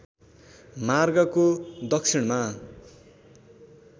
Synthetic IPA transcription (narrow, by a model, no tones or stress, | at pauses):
marɡʌkod̪ʌksʰiɽma